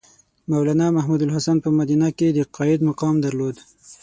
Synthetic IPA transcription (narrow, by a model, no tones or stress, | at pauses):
mawlanamahmud̪alɦasanpəmad̪inaked̪əqɑɪd̪maqɑmd̪aɾlod̪